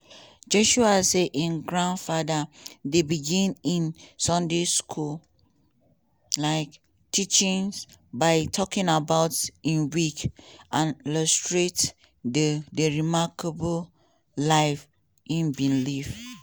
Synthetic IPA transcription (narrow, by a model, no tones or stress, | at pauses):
d͡ʒɔʃuaseʔĩnɡɹãndfadadebiɡĩnĩnsɔ̃ndeskʰul | laɪk | tʰit͡ʃĩnsbaɪtʰɔkĩnabaʊtĩnwikʔãniləstɹet | ddəɹimakəbəl | laɪf | ʔĩnbĩnlif